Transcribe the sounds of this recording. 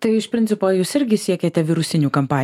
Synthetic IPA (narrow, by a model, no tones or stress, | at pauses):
t̪ɐɪɪʃpʲɾʲɪnʲtsʲɪpoːjuːsɪɾʲɡʲɪsʲiɛkʲeːt̪ʲɛʋʲɪɾʊsʲɪnʲuːkɐmpɑː